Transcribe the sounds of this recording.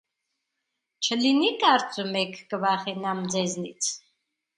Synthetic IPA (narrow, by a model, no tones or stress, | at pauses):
t͡ʃʰəlinikʼaɾt͡sʼumɛkʰɡvaχɛnamd͡zɛznit͡sʰ